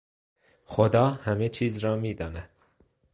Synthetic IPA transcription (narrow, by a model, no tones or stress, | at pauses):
xod̪ɒːhæme̞t͡ʃʰiːzɾɒːmiːd̪ɒːnæd̪̥